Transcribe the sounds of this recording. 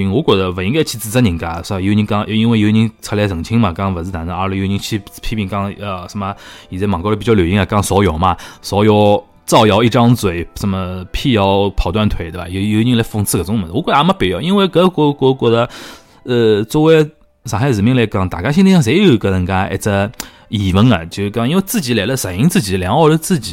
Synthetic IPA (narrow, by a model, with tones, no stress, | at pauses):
i˧˥ŋwɔ˧˥kwɔ˨˩d̪ə˧wə˨˩i˧˥ŋɡt͡ɕʰi˧˥˧t͡sɹ̩˧t͡sə˥ni˧˥ŋka˧˥nʂjo˧˥˧ni˧˥ŋkɑ˥ŋʔi˧˥nwe˧ɪjo˧˥˧i˧˥ŋt͡sʰa˧˥ljɛ˧˥sɤ˨˩ŋt͡ɕʰi˥ŋma˨kɑ˥ŋwnt͡sɹ̩˥t̪ʰa˧˥nə˧a˧˥ljo˧˥˧ɲi˧˥ŋt͡ɕʰi˧˥pʰi˥pi˧˩ŋkɑ˥ŋə˧˩ʂə˧˥ma˧i˨˩t͡sɛ˥mɑ˨˩ŋko˥˧˥pi˨˩t͡ɕjɑ˥˩ljo˨˩i˥ŋa˧˩kɑ˥ŋswɔ˧˥jo˨˩ʊmɐ˧swɔ˧˥jo˧˩ʊ | t͡sɑ˥˩ʊjɑ˧˥ʊi˥˩ʈ͡ʂɑ˥ŋt͡swe˨˩ɪʂə˧˥mə˧pʰi˥˧jɑ˧ʊpʰɑ˨˩ʊt̪wa˥˩nt̪ʰwe˧˩ɪt̪wba̰˨˩jo˧˩˧jo˧˩i˥˧i˥ŋla˧˥ɪfɤ˥˧ŋt͡sʰɹ̩˥˩ɡə˨˩t͡sʊ˥ŋmə˨˧˦n˨wɔ˧˥kwɔ˧˥a˧˥ma˧˥pi˨˩ji˥nwe˥˩ɪkɤ˧˥˧kɔ˧˥˧kɔ˧˥kwɔ˧˥˩d̪ə˧ | ə˧t͡swɔ˧˥we˧˥ɪ | ʂɑ˨˩xa˥˩t͡sɹ̩˨˩mi˥˧ŋle˧˩kɑ˧˩ŋt̪a˨˩kɕi˥ni˥jɑ˥˧˩ʂ̬jo˧˩i˧˥ə˧ɻə˧˥nka˥nḛ˧˩t͡sə˧ | i˨˩wə˧˥nɐ˨˩t͡ɕo˧˩ki˥nwe˥˧t͡sɹ̩˥˩t͡ɕi˧˥la˧˩ɪlə˧sa˨˩i˧˥ŋt͡sɹ̩˥˩t͡ɕi˨˩˥ljɑ˧˥ŋɑ˥˧ʊʈ͡ʂə˧t͡sɹ̩˥˩t͡ɕi˨˩˦